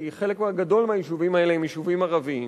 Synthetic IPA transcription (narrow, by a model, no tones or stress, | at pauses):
iχe̞lekmaɡado̞lmeajiʃuvimae̞leimjiʃuvimaʁavim